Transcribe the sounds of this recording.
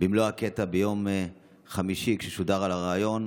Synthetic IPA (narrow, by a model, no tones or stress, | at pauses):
bimlohaket̪abejo̞m | χamiʃikʃeʃudaʁalaʁaːjo̞n